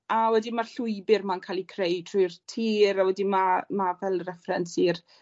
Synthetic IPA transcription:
awɛdimarɬʊɨbɪrmankʰalˠikʰrejdtʰr̥ʊjrtʰiːɾawɛdimamavɛlˠrɛfrɛnsiːr

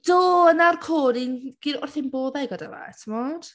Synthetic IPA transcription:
d̥oːənarkʰoːɾinɡ̥iɾɔrθɪnboːðajɡəda̰la̰tʰəmɔd̥

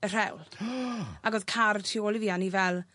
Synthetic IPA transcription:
ər̥ɛwlˠ | aɡoːðkʰartʰioːlˠiviːanivɛlˠ

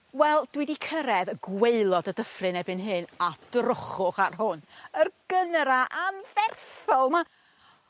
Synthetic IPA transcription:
wɛlˠd̥wɪdikʰəɾɛðəɡweɨlˠɔdədəfrɨnɛbɨnɦɨnad̥rʊχʊχarɦʊnərɡənɾaʔanvɛrθɔlˠma

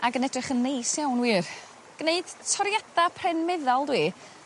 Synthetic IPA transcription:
aɡənɛdrɪχənːejsjawnwiːr | ɡ̥neɨd̥tʰɔɾjadapʰrɛnmɪðɔlˠdwiː

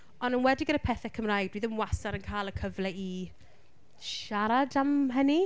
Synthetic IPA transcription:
ɔnənwɛdɪɡəɾəpʰɛθɛkʰəmrajdwiðəmwasaɾənkʰaːlˠəkʰəvlɛi | ʃaɾadamɦəni

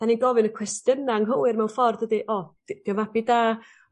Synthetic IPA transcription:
d̥aniɡɔvɨnəkʰwɛstənaŋɦəwɪrmɛwnfɔrdədiʔɔd̥d̥ivabidaː

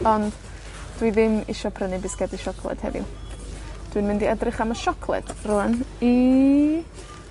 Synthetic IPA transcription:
ɔnd̥ | d̥wiðɪmɪ̰ʃɔpʰrənɨbɪsɡ̥ɛdiʃɔkʰlˠɛ̰d̥hɛ̰vɪ̰ | d̥winmɪndiɛdrɪχamɔʃɔkʰlˠɛ̰d̥ruəni

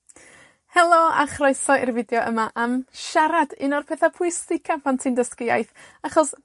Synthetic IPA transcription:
hɛlˠɔa̰χrɔɨsɔirvɪdjɔʔəmaʔamʃaɾadɪnɔrpʰɛːθapʰuɨsɪkʰapʰantʰɨndəskɪa̰jθ | aχɔs

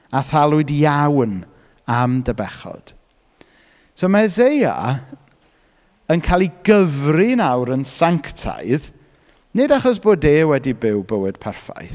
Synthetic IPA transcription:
aθalˠʊɨdjawn | amdəbɛχɔ̰d̥ | somazeja̰ | ənkʰaːlˠiɡəvrinawɾənsaŋktʰa̰jð | nɨdaχɔs̬b̥oːdeːwɛdibɪwbəwɨd̥pʰɛrfa̰jθ

